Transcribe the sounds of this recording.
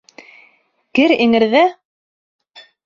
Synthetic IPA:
kɘɾiŋɘ̆ɾðæ

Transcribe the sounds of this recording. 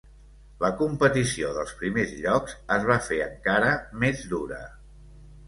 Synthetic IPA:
ləkumpət̪isioðəlˠspɾimezʎɔkzəzβ̞afeəŋkaɾəmezd̪uɾə̰

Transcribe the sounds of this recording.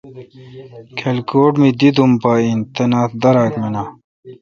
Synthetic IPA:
kʰelkoːʈmid̪id̪umpaːint̪enaːt̪d̪ɐɾaːkmena

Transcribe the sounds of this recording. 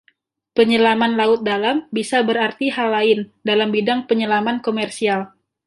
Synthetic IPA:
pəɲəlamanlaʊt̪̚dalambisabəɾart̪iɦalːaɪndalambidaŋpəɲəlamankomɛrsial

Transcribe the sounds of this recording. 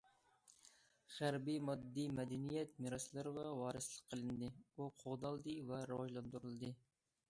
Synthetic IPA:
χæɾbijmɑd̪ːijmɛd̪ɛnijɛt̪̚miɾɑslˠɨɾɨʁɑwɑːɾɨslˠəqʰːəlˠɨnɨd̪ɨuqʰoʁd̪ɑlˠd̪ɨvɛɾɨwɑʒlˠɑnd̪uɾɨlˠɨd̪ɨ

